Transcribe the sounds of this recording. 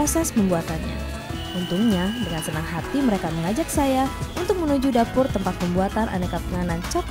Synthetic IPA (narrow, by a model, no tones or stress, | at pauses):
osɛsməmbuat̪anɲa̰ | unt̪uŋɲadəŋansənaŋɦat̪iməɾekaməŋad͡ʒak̚sajaʔunt̪ʊk̚mənud͡ʒudapʊrt̪əmpat̪̚məmbuat̪anʔa̰nekapəŋanant͡ʃɔk